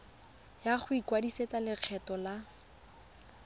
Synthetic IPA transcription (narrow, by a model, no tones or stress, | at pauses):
jaχʊikwadiset͡salɪq͡χʰɛtɔla